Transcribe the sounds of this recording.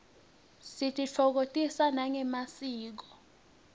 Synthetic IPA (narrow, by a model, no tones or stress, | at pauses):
sitʰʼit͡fʰɔk̬otʼisanaŋɛmasiːk̬ɔ̥